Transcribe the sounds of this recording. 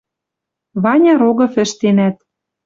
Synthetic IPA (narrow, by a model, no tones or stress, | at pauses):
βɑnʲɑɾoɣɤ̆fɘ̆ʃt̪enæt̪̚